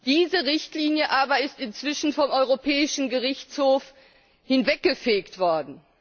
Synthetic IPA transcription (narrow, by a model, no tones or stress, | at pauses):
d̥iːzəʁɪçtliːnjəʔaːbɐɪstɪnt͡sv̥ɪʃn̩fɔmʔɔʏʁopʰɛːɪʃn̩ɡəʁɪçt͡shoːf | hɪnvɛk̚ɡ̥əfeːktv̥ɔɐdn̩